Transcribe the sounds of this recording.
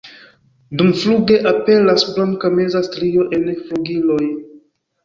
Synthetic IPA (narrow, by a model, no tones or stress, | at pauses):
dumfluɡe̞ʔape̞lasblaŋkamezastɾio̞ʔe̞nfluɡiloj